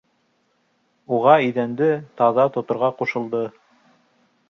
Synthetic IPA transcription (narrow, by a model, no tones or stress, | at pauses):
uʁɑiðænd̪ɘt̪ɑðɑt̪ŏt̪ŏɾʁɑquʃɤ̆lˠd̪ɤ